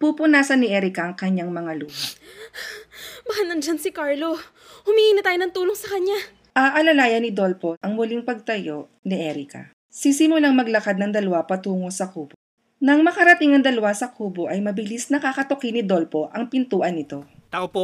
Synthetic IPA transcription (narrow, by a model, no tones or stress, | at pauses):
pupʊnaːsɐnːɪʔɛɾɪkɐʔɐŋkɐɲːaŋmɐŋaluːbo | bahanɐnd͡ʒansɪkaɹlo | hʊmihiːnɐt̪aːjonɐŋt̪uːloŋsɐkɐɲa | ʔɐʔɐlɐlaːjɐnɪd̪o̞lpo̞ʔɐŋmʊliŋpɐɡ̚t̪ɐjo̞ʔ | niʔɛɾikɐ̰ | sisɪmʊlaŋmɐɡlɐkad̪̚nɐŋd̪ɐlɐwapɐt̪uːŋo̞sɐkuːbo | nɐŋmɐkɐɾɐt̪iŋɐŋd̪ɐlɐwasɐkʰuːboʔɐjmɐbɪlisnɐkakɐt̪okinɪd̪o̞lpo̞ʔɐŋpɪnt̪uːʔɐnːɪt̪o̞ | t̪aop